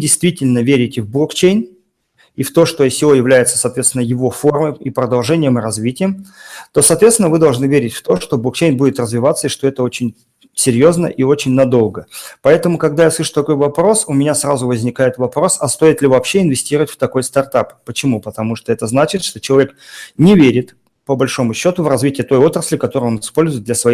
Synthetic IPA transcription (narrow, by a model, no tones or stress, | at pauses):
dʲɪjst̪vʲitʲɪlʲnəvʲeɾʲɪtʲɪvblˠokt͡ɕejn | ift̪o̞ʂt̪osʲɪvo̞jɪvlʲæjɪt̪sə̥sɐːt̪vʲesʲɪnːəjɪvo̞fo̞rməjipɾəd̪ɐlˠʐɛnʲɪjəmɨɾɐzvʲitʲɪjəmt̪o̞sɐːt̪vʲet̪sʲɪnəvɨd̪ɐlˠʐnɨvʲeɾʲɪtʲft̪o̞ʂt̪o̞blˠokt͡ɕejnbudʲɪt̪rəzvʲɪvat̪sːəiʂt̪o̞ɛt̪əo̞t͡ɕɪnʲ | sʲɪɾʲjo̞znə̰ʔio̞t͡ɕɪnʲnɐd̪o̞lˠɡəpɐɛt̪əmʊkɐɡ̚d̪ajasˠɨʂʊ̥t̪ɐko̞jvɐpɾo̞sʊmʲɪnʲasrazʊvəzʲnʲɪkajɪt̪vɐpɾo̞sɐst̪o̞ɪt̪lʲɪvɐːpɕːe̞ɪnvʲɪsʲtʲiɾəvətʲft̪ɐko̞jst̪ɐrt̪apːət͡ɕɪmupət̪ɐmuʂt̪oɛt̪əznat͡ɕɪt̪ʂt̪o̞t͡ɕɪlˠɐvʲeknʲɪvʲeɾʲɪt̪ | pəbɐlʲʂo̞mʊɕːo̞t̪ʊvrɐzvʲitʲɪjət̪o̞jo̞t̪ɾəsʲlʲɪkɐt̪o̞ɾɨjo̞nɪspo̞lʲzʊɪt̪d̪lʲəsvɐi